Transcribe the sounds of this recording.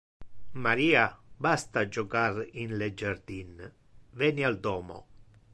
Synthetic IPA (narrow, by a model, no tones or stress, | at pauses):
maɾiːabast̪ad͡ʒɔkaɾinled͡ʒaɾd̪in | vɛniald̪ɔːmɔ̰